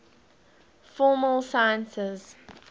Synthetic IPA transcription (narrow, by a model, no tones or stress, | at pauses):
fɔːməlˠsajə̃nsɪz̥